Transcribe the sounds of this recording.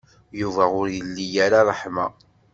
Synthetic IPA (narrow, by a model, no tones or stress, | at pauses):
juvæʊɾjəlːijaɾarˤːəħma̰